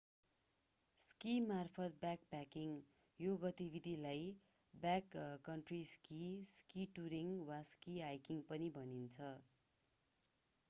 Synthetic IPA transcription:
skimarpʰʌt̪̚bjak̚pakiŋ | joɡʌt̪ibʱid̪ʱilaj | bakːʌɳʈriskiskiʈuɾiŋwaskiajkiŋpʌnibʱʌnint͡sʰʌ

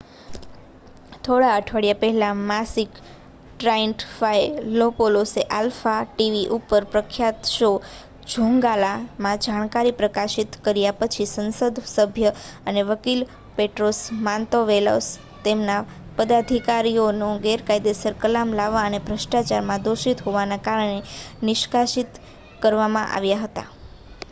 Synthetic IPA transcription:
t̪ʰoɽaəʈʰʋəɽjapəɦɛlamasik | ʈɾaiɳʈfajlopoloseʔalfaʈiʋiʔupəɾpɾəkʰjat̪ʃo | d͡ʒʱoŋɡalamãd͡ʒaɽ̃kaɾipɾəkaʃit̪kəɾjapət͡ʃʰisənsəd̪ʱsəbʱjəəneʋəkil | peʈɾosmãnt̪oʋelo̰s | t̪emna | pəd̪ad̪ʱikaɾijonõɡeɾkajd̪esəɾkəlamlaʋːãənebʱɾəʃʈat͡ʃaɾmãd̪oʃit̪ɦoʋanakaɾəɳenɪʃkaʃit̪ | kəɾʋamãʔa̰ʋjaɦət̪a̰

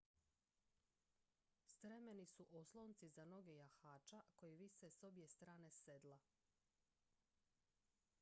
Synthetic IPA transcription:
st̪ɾemenisuʔoslˠont̪sizano̞ɡe̞jaxaːt͡ʃako̞jiʋiseso̞bje̞st̪ɾaːne̞sed̪lˠa

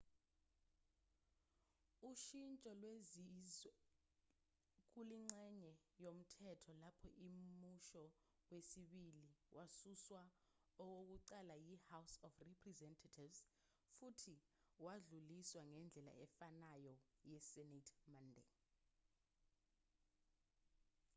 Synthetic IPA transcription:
uʃint͡ʃʼɔlwe | k̬uliŋ͡ǀɛɲɛ | jom̩tʰɛtʰɔlapʰɔʔimmuʃɔ | wesiɓiliwʔasuswa | ɔk̬ok̬uǀalajihawsɔfripʰʼrɛzɛntʰatʰivz | futʰi | waɮuliswaŋɛnd͡ɮʱɛla̰ɛfanajɔjɛsɛnatʰmandɛ̰

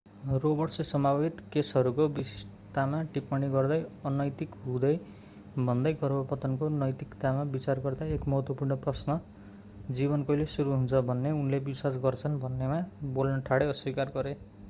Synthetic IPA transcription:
robʌrsesʌmabʱit̪kesɦʌɾukobisi̥s | t̪amaʈipmʌɽ̃iɡʌrd̪ʌjʌnʌjt̪ikɦũd̪ʌj | bʱʌnd̪ʌjɡʌrbʌpʌt̪ʌnkonʌjt̪ikt̪amabit͡sarɡʌrd̪aekmʌɦʌt̪wʌpurnʌprʌsnʌ | d͡zibʌnkʌjlesuɾuɦunt͡sʰʌbʱʌnːeunlebiswas̬ɡʌrt͡sʰʌnbʱʌnːemabolnʌʈʰaɽeʌswikarɡʌɾe

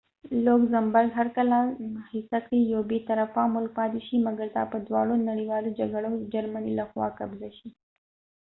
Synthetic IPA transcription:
loːkzɐmbəɾɡɦɐɾkəlahisakɾijoːbit̪ɐɾəfãmʊlkpaːd̪iʃimɐɡəɾt̪a̰ːpəd̪ʋa̰ːɽonɐɽiʋaːlod͡ʒɐɡɐɽod͡ʒɐɾmənḭlɐxwa̰ːkɐ̰bzaʃi

